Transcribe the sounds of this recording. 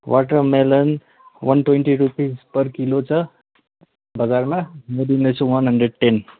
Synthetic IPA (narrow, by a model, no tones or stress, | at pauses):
wʔaʈəmelən | wʌnʈweɳʈiɾupizpʌɾkilot͡sʰʌ | bəɡaɾmamed̪inet͡sʰũwʌnɦəɳɖɾeɖ̚ʈen